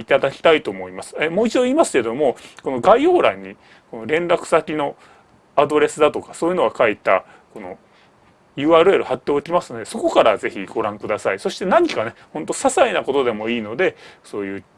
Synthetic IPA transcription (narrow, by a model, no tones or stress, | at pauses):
it̪ad̪akʲi̥t̪ait̪oːmo̞imasɨ̥emoːit͡ɕid̪o̞iːmasɨ̥ke̞d̪o̞mo̞ko̞no̞ɡaio̞ːɾaɲ̟ːi | ko̞no̞ɾẽ̞nɾakɯ̟̥sakʲino̞ | ad̪o̞ɾe̞sɨd̪at̪o̞kḁsoːjiɯ̟no̞ɡakait̪a | ko̞no̞̰ | jɯ̟ːaːɾɯ̟e̞ɾɯ̟hat̪ːe̞okʲimasɨno̞d̪e̞so̞ko̞kaɾaze̞çiɡ̥o̞ɾãŋkɯ̟d̪asaiso̞ɕi̥t̪e̞naɲ̟ikanehõ̞nt̪o̞sasainako̞t̪o̞d̪e̞mo̞iːno̞d̪e̞so̞ːjɯ̟ː